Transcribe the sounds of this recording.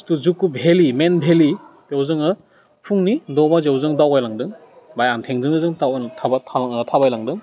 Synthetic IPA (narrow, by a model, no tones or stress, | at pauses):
stuzukːubʱelimenbʱeli | ewzɯŋɯ | pʰuŋnidɔbazewzɯŋdawajlaŋdɯŋ | bajantʰeŋdɯŋɯzɯŋtawtʰabatʰatʰabajlaŋdɯŋ